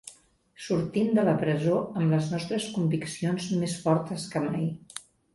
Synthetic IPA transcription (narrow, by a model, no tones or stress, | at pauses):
suɾt̪imd̪ələpɾəzoəmləznɔst̪ɾəskumbiksionzmesfɔɾt̪əskəmaj